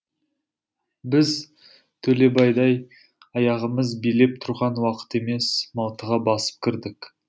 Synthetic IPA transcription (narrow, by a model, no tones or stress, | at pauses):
bɪz | t̪ʰɵle̞bɑjd̪ɑj | ɑjɑʁəməzbijle̞p̚t̪ʰʊɾʁɑnwɑqə̥t̪e̞me̞smɑlˠt̪əʁɑbɑsə̥p̚kʲʰɪɾd̪ɪk